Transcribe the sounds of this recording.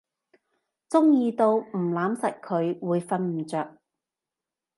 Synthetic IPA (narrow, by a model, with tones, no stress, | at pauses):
t͡sʊ˥ŋjiː˧t̪o˧wm̩˨˩laː˨˥msɐ˨t̚kʰɵ˨˧ɥwuː˨˧jfɐ˧nm̩˨˩t͡sœː˨k̚